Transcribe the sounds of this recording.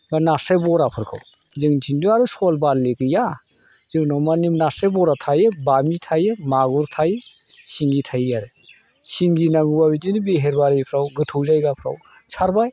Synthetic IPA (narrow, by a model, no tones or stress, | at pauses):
banasebɔɾapʰɯɾkʰɯ̰w | zɯŋtʰinduaɾusolballekɯja | zɯŋnɔmanimnasebɔɾatʰajebamitʰajemaɡuɾtʰaje | siŋɡitʰajjaɾe | siŋɡinaŋɡubabidinibiɦeɾbaɾipʰɾawɡɯtʰɯwzajɡapʰɾa̰w | saɾbaj